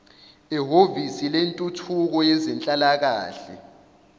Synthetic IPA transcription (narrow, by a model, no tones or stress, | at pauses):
iɦovisilentʼutʰuk̬ɔjɛzɛnt͡ɬʼalak̬aːɬɛ̰